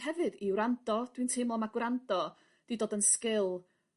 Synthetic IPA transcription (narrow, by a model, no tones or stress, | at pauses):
hɛvɨðiwɾandɔd̥wintʰemɔmaɡwɾandɔ | d̥idoːdənskɪlˠ